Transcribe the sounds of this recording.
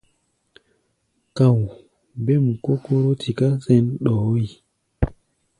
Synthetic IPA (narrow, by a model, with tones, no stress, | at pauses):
ka˨w | be˦˨m˨ko˦ko˦ɾo˦tʰi˨ka˦sɛ˦nɗɔ˨˦i˨